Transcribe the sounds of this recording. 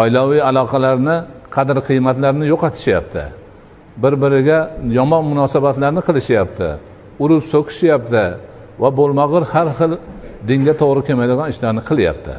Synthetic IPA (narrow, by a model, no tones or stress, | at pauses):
ɒjlawɪjalˠɒqʰɑlaɾnɪqʰɑd̪ɪɾqʰɨjmat̪laɾnɪjoqɑt̪ʰɪ̥ʃjapt̪ʰɪ̰ | bɪɾbɪɾɪɡʲajɒmɒnmʊnɒsabat̪laɾnɪqʰɨlˠɪʃjapt̪ʰɪ̰ | ʊɾɪpsokʲʰɪ̥ʃjap̚t̪ʰɪ | vabolˠmɑʁɨɾhaɾχɨlˠd̪ɪŋɡʲat̪ʰoʁɾɪkʲemajd̪ɪɡɒnɪʃlaɾnɪqʰɨlˠja̰p̚t̪ʰɪ̰